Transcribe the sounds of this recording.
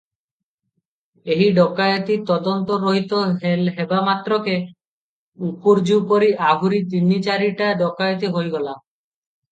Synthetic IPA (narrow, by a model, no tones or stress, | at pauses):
eɦiɖɔkajot̪it̪ɔd̪ɔnt̪ɔɾoɦit̪oɦelɦebamat̪ɾɔke | upuɾd͡ʒupoɾiʔabʱuɾit̪̬init͡ʃaɾiʈaɖɔkajot̪̬iɦojɡɔla